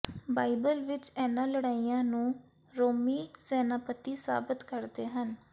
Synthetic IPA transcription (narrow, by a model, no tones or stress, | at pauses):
baːibəlʋɪt͡ʃɛːnãːləɽaːijãːnũː | ɾoːmiːsɛːnaːpət̪ːiːsa̰ːbɪt̪kəɾd̪eːɦən